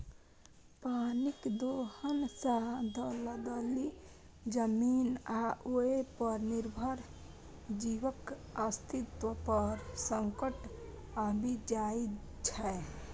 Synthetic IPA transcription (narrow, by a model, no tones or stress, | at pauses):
panikd̪ohənsad̪ələd̪əli | d͡ʒəminaʔoepəɾniɾbʱəɾ | d͡ʒiwəkast̪it̪wəpəɾsəŋkəʈ | abʱid͡ʒait͡ʃʰɛ